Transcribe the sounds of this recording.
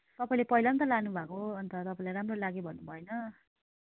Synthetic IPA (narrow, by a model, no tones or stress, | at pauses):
t̪ʌpaĩlepʌɦilʌnt̪ʌlanubʱakoʌnt̪ʌt̪ʌpãĩlajɾamrolaɡobʱʌnːubʱʌenʌ